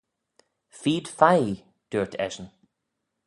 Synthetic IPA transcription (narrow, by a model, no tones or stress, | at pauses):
fiːd̪̥faj | d̪̥uːɹtʰɛ̰ʒən